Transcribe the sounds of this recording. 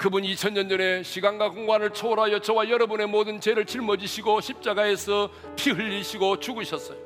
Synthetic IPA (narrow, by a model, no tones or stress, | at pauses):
kɯbunit͡ɕʰʌnɲʌnʌne̞ɕʰiɡaŋɡakoŋɡwanɯɭt͡ɕʰoɾajʌt͡ɕʌwajʌɾʌbune̞modɯnt͡ɕeɾɯɭt͡ɕiɭmʌd͡ʑiɕʰiɡoɕʰip̚t͡ɕ͈aɡae̞sʰʌ | pʰiɦɯʎːiɕʰiɡot͡ɕuɡɯɕʰʌs͈ʌjo